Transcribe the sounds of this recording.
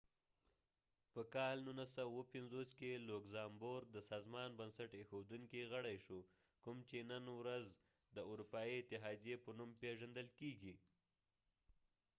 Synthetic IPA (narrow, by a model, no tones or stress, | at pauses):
pəkɑlnunasawawəpɪnzoskelokzɑmboɾd̪əsɑzmɑnbansaʈexod̪uŋkiɣəɽajʃo | kʊmt͡ʃenənwɾaz | d̪əʊɾupɑiɪt̪ɪɦɑd̪jepənumpeʒand̪əlkeɡi